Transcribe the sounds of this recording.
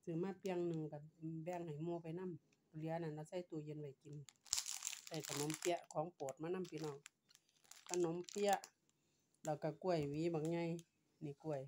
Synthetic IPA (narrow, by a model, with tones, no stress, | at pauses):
sɯ˧˩˨maː˧˥˨pi˧ŋnɯ˧˨ŋka˧˩bɛː˧˨ŋha˨˩jmuː˧pa˨jna˧˥˨m˧ | li˧˦ə˨na˧˨nla˧˨sa˧˩˨jt̪u˧˨je˧˨nwa˧˩jki˧˨n | sa˧˩jka˧˩no˧˦˨mpi˧əʔkʰɔː˨˦ŋpoː˨˩t̪̚maː˧na˧˥˨mpiː˧˦nɔː˧˩ŋ | ka˧˩no˧˦mpi˧ə˧ʔ | lɛː˧˩wka˧˩ku˧˩ə˨jwiː˨˦ba˨k̚ɲa˧˨j | ni˧˨ku˧˩əj